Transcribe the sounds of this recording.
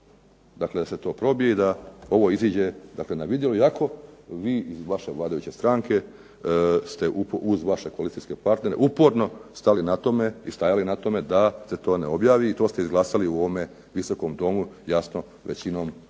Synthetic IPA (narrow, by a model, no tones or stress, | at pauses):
d̪akled̪ase̞t̪o̞ːpɾo̞bijeid̪ao̞ʋo̞iziːd͡ʑe̞d̪akle̞naʋid̪jeloiakʰo̞ʋiːʔizʋaʃe̞ʋlˠaːd̪ajut͡ɕe̞st̪ɾaːŋke̞ | st̪e̞ʔupoʔuzʋaʃe̞koalit̪ijske̞paɾt̪ne̞ɾeʔupo̞ɾno̞st̪alinat̪o̞meist̪ajalinat̪o̞me̞d̪aset̪o̞ːneo̞bjaːʋiːt̪o̞ːst̪eizɡlˠaːsaliuoʋome̞ | ʋiso̞ko̞md̪o̞mujasno̞ | ʋḛt͡ɕino̞ːm